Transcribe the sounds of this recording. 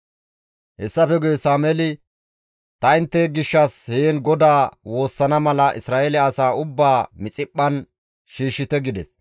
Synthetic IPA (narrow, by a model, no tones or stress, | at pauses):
hɛsːɐfɛɡʊjɛsaːmɛlɪ | t̪ɐɪnt̪ːeɡɪʃːɐsheːnɡɔd̪aːwo̞ːsːɐnɐmɐlɐʔɪsɾaːʔɛlɛɐsaːʊbːaːmɪt͡sʼɪpʼːɐn | ʃiːʃːɪt̪ɛɡɪd̪ɛs